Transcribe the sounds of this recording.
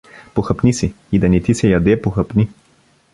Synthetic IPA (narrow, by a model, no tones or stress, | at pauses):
poxɐpnisi | id̪ɐnɛt̪isɛjɐd̪ɛpoxɐpni